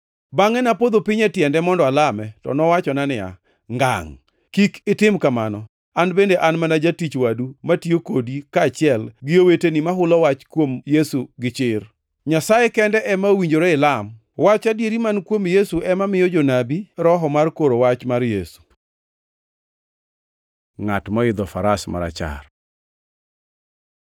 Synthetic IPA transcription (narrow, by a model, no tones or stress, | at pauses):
baŋɛnapod̪opɪɲɛtjɛndɛmɔndɔalamɛtɔ̰nɔwat͡ʃɔnanɪja̰ | ŋɡa̰ŋ | kikɪtɪmkamanɔ | anbendeʔanmanad͡ʒatit͡ʃwadumatiokodikaːt͡ʃɪɛlɡɪowetenimaɦʊlɔwat͡ʃkwomjesuɡɪt͡ʃɪr | ɲasajekɛndɛʔɛmaowiɲd͡ʒoɾɔɪlam | wat͡ʃadjeɾimankwomjesuʔɛmamɪjɔd͡ʒonabiɾɔɦɔmarkoɾowat͡ʃmarjesu̥ | ŋatmɔɪd̪ɔfaɾasma̰ɾa̰t͡ʃa̰r